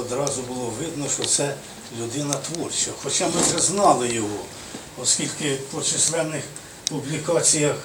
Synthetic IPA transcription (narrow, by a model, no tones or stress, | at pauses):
ɔd̪ɾɑzʊbʊlˠɔʋɪd̪nɔʃɔt̪sɛ | lʲʊd̪ɪnɐt̪ʋɔrt͡ʃɐxɔt͡ʃɑmɪwʒɛznɑlˠɪjɔɦɔ | ɔskʲilʲkɪpɔt͡ʃɪslˠɛnɪx | pʊblʲikɑt͡sʲijɐx